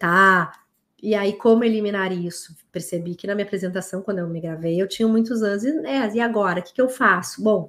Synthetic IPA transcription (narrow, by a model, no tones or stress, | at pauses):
t̪a | ɪaikõmʊeliminaɾisʊ̥peɾsebikɪnɐmĩɲapɾezẽnt̪asɐ̃w̃kwɐ̃nd̪ʊewmɪɡɾavejewt͡ʃĩɲʊmũj̃t̪ʊzɐ̃zɪznɛzɪaɡɔɾɐkɪ̥kɪewfasʊ̥bõw̃